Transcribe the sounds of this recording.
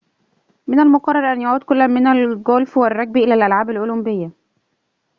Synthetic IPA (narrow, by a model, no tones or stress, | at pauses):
mɪnælmoqɑrˤːɑɾˤʔænjaʕuːd̪kʊlːænmɪnælɡoːlfwɪrˤːɑɡ̚biʔelælʔælʕaːbælʔolʊmbɪjːæ